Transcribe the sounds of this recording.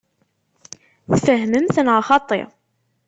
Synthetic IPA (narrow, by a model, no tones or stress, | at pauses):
θfəɦməmθənʁaχɑt̪ˤːḛ